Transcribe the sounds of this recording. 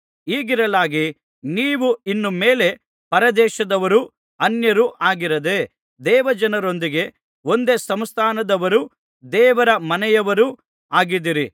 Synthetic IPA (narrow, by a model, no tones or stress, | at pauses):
iːɡiɾɐlaːɡi | niːʋuinːumeːle̞ | pɐɾɐd̪ɛːʃɐd̪ɐʋɐɾu | ɐnjɐɾuʔaːɡiɾɐd̪e | d̪ɛːʋɐd͡ʒɐnɐɾo̞nd̪iɡe̞ | o̞nd̪e̞sɐmst̪ʰaːnɐd̪ɐʋɐɾu | d̪ɛːʋɐɾɐmɐnɛjɐʋɐɾu | aːɡid̪iɾi